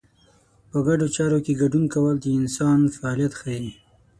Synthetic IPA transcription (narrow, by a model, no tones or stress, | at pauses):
pəɡaɖot͡ʃɑɾokeɡaɖunkawəld̪əɪnsɑnfaːlijat̪xaji